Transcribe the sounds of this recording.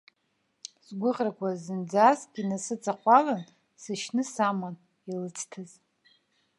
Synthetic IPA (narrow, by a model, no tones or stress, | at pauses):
sɡʷʊχrakʷʰazɨnd͡zazɡʲinasɨt͡sʰʼaχʷalan | sɨʃnɨsaman | ilɨt͡sʰtʰɨz